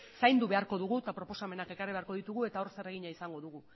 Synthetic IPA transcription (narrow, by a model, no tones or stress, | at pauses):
sajnd̪uβe̞aɾko̞ðuɣut̪apɾo̞po̞same̞nake̞kariβeaɾko̞ð̞it̪uɣ̞ue̞t̪ao̞ɾse̞re̞ɣ̞iɲaisaŋɡo̞ðuɣu